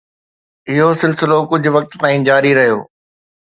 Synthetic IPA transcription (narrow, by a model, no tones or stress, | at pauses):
ɪɦosɪlsɪlokʊd͡ʑʱʊʋɐk̚t̪t̪aːĩːd͡ʑaːɾiɾɐɦijo̰ː